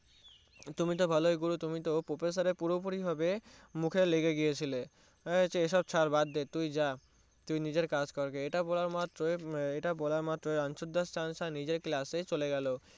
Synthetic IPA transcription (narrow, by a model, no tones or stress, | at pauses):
t̪umit̪̬obʱalojɡuɾut̪umit̪opɾopes̬aɾepuɾbopuɾibʱabemukʰeleɡeɡiet͡ɕʰile | t͡ɕeeʃɔb̚t͡ɕʰaɾbad̪ːet̪ujd͡ʑa | t̪ujnid͡ʑeɾkad͡ʑkɔɾkeeʈabɔlaɾmat̪ːɾoeeʈabɔlaɾmat̪ːɾoeanʃod̪ʱːasʈanʃanid͡ʑeɾklaset͡ɕoleɡɛlo